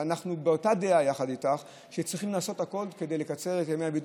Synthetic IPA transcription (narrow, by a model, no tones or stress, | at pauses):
anaχnubeotadeajaχaditaχ | ʃet͡sʁiχimnaːso̞tako̞lke̞de̞jle̞kat͡se̞ʁetjameabid